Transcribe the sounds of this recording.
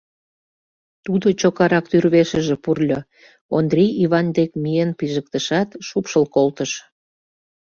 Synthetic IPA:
t̪ud̪ot͡ɕokɑɾɑk̚t̪yrβeʃə̆ʒĕpurlʲo | ond̪rʲijiβɑnd̪ekmijenpiʒək̚t̪əʃɑt̪ʃupʃəlkolt̪əʃ

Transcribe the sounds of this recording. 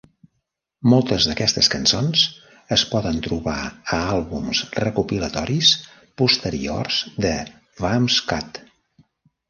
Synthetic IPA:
mɔlˠt̪əzðəkɛst̪əskənsons | əspɔðənt̪ɾuβa̰əalˠβumsrəkupilət̪ɔɾis | pust̪əɾḭo̰rzd̪ə | vamskat̪

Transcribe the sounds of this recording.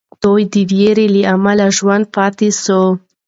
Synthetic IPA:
tojd̪ivjeɾiliamalaʒuanpat̪iso

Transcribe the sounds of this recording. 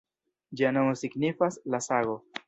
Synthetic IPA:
d͡ʒiano̞mosiɡnifaslasaɡo̞

